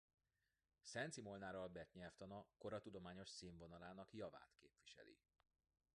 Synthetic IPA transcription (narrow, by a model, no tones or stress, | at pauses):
sɛnt̪simolnaːɾɒlbɛt̪ɲɛlft̪ɒnɒko̞ɾɒt̪ud̪o̞maːɲo̞ʃsiːɱvo̞nɒlaːnɒkjɒva̰ːt̪keːpʋiʃɛ̰lḭ